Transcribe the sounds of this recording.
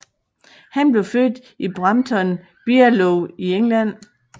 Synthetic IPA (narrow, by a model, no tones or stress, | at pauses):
hænb̥le̝ʊføːd̥ | ib̥ʁɑ̈mt͡sʰɒ̽n | b̥iæloieŋlæn̰